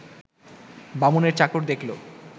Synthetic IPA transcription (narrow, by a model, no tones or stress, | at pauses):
bamoneɾt͡ɕakoɾd̪ekʰlo